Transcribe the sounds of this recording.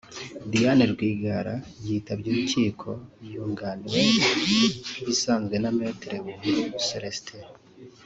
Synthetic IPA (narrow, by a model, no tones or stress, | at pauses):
d̪ijaneɾɡwiːɡaɾajiːtaβjuːβuciːkʰo̞juːŋɡaniɾe̞ | eβisaːnzɡwe̞name̞ːteɾeβumuɾumuseɾesi̥tʰeɾ